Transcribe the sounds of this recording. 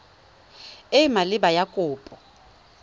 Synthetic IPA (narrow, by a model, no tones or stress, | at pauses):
ɪmalɪbajakʼʊːpʼɔ